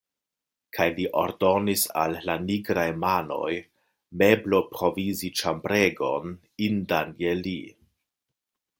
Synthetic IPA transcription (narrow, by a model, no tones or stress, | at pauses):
kʰajliʔo̞̰ɾdo̞nisa̰lːaniɡɾajmano̞̰j | me̞blo̞pɾo̞vizit͡ʃambɾe̞ɡo̞n | indaneli